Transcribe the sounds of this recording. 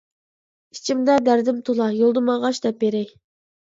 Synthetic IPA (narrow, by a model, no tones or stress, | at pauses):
i̥t͡ʃʰimd̪ɛd̪æɾd̪ɪmt̪ʰulˠɑjolˠd̪ɨmɑʁɑʃd̪ɛpːeɾɛj